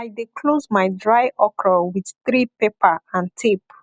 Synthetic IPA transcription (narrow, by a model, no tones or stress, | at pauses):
ajdikʰlozmajdɹajʔɔkɹəwið̥θɹipepəãntʰip